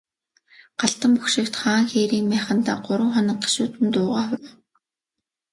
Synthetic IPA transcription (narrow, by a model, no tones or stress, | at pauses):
ɢ̥aɬt̪ə̆mpuxʃɪ̆kt̪χaːŋxeːɾiːŋmæːχə̆nt̪a̰ːɢʊɾʊ̆ːχɔnɞ̆k̚ɢḁʃuːt̪ɘ̆nt̪ʊːʁaːxʊɾʊ̆